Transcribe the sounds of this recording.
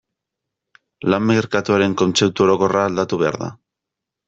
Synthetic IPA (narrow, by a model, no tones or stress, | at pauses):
lamːeɾkat̪uaɾe̞ŋko̞nt͡se̞p̚t̪uo̞ɾo̞ko̞raːld̪at̪uβ̞e̞a̰ɾða̰